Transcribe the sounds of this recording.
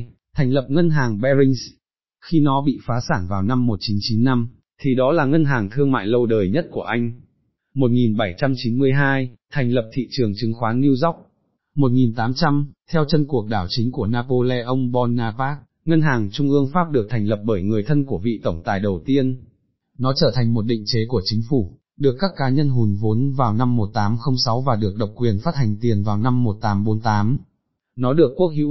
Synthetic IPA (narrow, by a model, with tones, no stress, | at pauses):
t̪ʰa˨˩ŋ̟lə˨˩p̚ŋə˧nɦaː˨˩ŋɓɛ˧zï˧ŋ̟s | xi˧nɔ˨˦ɓḭ˧˨faː˨˦saː˧˩ŋvaː˨˩wna˧mːo˨˩t̚t͡ɕi˨˦nt͡ɕi˨˦nːa˧m | t̪ʰi˨˩ɗɔ˨˦laː˨˩ŋə˧nɦaː˨˩ŋt̪ʰɨ˧əŋma̰ː˧˨jlə˧wɗəː˨˩jɲə˦˥t̚ku˧˩əʔa˧jŋ̟ | mo˨˩t̚ŋi˨˩nɓa˧˩jt͡ɕa˧mt͡ɕi˨˦nmɨ˧əjɦaː˧jt̪ʰɛ˨˩ŋ̟lə˨˩p̚t̪ʰḭ˧˨t͡ɕɨ˨˩əŋt͡ɕɨ˨˦ŋxwaː˨˦nŋi˧əwza˦˥wk͡p̚ | mo˨˩t̚ŋi˨˩nt̪aː˨˦mt͡ɕa˧mt̪ʰɛ˧wt͡ɕə˧nku˨˩ək̚ɗaː˧˩wt͡ɕï˨˦ŋ̟ku˧˩ənaː˧po˧lɛ˧ʔə˧wŋ͡mɓɔ˧nːaː˧paː˦˥k̚ | ŋə˧nɦaː˨˩ŋt͡ɕʊ˧ŋ͡mʔɨ˧əŋfaː˦˥p̚ɗɨ˨˩ək̚t̪ʰa˨˩jŋ̟lə˨˩p̚ɓəː˧˩jŋɨ˨˩əjt̪ʰə˧nku˧˩əvḭ˧˨t̪ə˧˩wŋ͡mt̪aː˨˩jɗə˨˩wt̪i˧ən | nɔ˨˦t͡ɕəː˧˩t̪ʰa˨˩jŋ̟mo˨˩t̚ɗḭ˧˨ŋ̟t͡ɕe˨˦ku˧˩ət͡ɕï˨˦ŋ̟fu˧˩ | ɗɨ˨˩əkːaː˦˥kːaː˨˦ɲə˧nɦu˨˩˦nvo˨˦nvaː˨˩wna˧mːo˨˩t̚t̪aː˨˦mxə˧wŋ͡msa˨˦wvaː˨˩ɗɨ˨˩ək̚ɗə˨˩wk͡p̚kwi˨˩ənfaː˦˥t̚ha˨˩jŋ̟t̪i˨˩ənvaː˨˩wna˧mːo˨˩t̚t̪aː˨˦mɓo˨˦nt̪aː˨˦m | nɔ˨˦ɗɨ˨˩əkːu˦˥ək̚hḭ˧˥